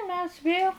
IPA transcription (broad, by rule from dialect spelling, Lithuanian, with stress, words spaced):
ˈmʲɛs ˈʋʲeːlˠ